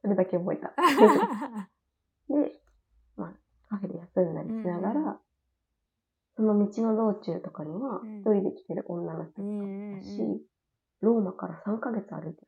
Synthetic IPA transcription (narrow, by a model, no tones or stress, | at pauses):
so̞ɾe̞d̪ake̞obo̞et̪ae | d̪e̞ | ma | kaɸe̞d̪ḛjasɨ̃nd̪a̰ɾʲisɨnaɡaɾa | so̞no̞mʲit͡ɕino̞d̪o̞ːt͡ɕɨːt̪o̞kaɲ̟iβaçi̥t̪o̞ɾʲid̪e̞kʲi̥t̪e̞ɾɯ̟̰ʔõ̞nːano̞çi̥t̪ot͡sɨ̥kaaɕḭ | ɾo̞ːmakaɾasãŋkaɡe̞t͡sɨa̰ɾɯ̟it̪e